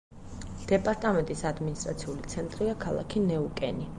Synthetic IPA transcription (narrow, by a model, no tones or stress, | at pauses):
d̪̥ɛpʼaɾt̪ʼamɛnt̪ʼisad̪minist̪ʼɾat̪sʰiulit̪sʰɛnt̪ʼɾiakʰalˠa̰kʰinɛukʼɛni